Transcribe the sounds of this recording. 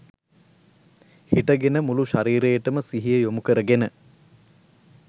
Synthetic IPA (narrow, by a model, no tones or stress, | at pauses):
hiʈəɡenəmuluʃaɾiːɾejəʈəməsiɦijəjomukəɾəɡenə